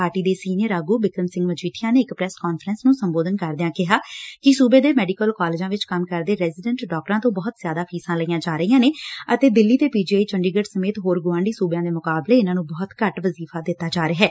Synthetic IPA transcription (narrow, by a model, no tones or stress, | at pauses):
aːʈiːd̪eːsiːnɪjəɾaːɡuːbɪkəmsɪ̃ŋɡʋət͡ʃiːʈʰɪjãːneːɪkpɾɛːskɔːnfʰəɾənsnũːsəmboːd̪ənkəɾd̪ɪãːkɪɦaːkɪsuːbeːd̪eːmɛːɖikəlkɔːlɪːd͡ʒãːʋɪt͡ʃkəmkəɾd̪eːɾɛːzɪɖə̃ɳʈɖɔːk̚ʈɾãːt̪õːbɔːt̪zɪjaːd̪aːpʰiːsãːləiːjãːd͡ʒaːɾəiːjãːneːət̪eːd̪ɪlːiːt̪eːpiːd͡ʒiːaːiːt͡ʃəɳɖiːɡəɖsəmeːt̪ɦoːɾɡʊʋãːɳɖiːsuːbejãːd̪eːmʊkaːbleːɪnãːnũːbɔːt̪kəʈʋəziːfʰaːd̪ɪt̪ːaːd͡ʒaːɾəɦɛː